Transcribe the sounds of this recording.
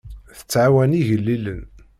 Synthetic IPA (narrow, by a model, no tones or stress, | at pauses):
θə̥t͡sːʕawæniʝəlːilən